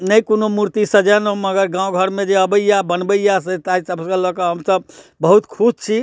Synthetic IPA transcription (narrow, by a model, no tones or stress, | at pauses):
nəjkonomuɾt̪isəd͡ʒanoməɡəɾɡãw̃ɡʱəɾmẽd͡ʒeəbəjjabənbəjas̬et̪aisəbskəlɔkəɦəmsəbbəɦut̪kʰud͡ʒt͡ʃʰi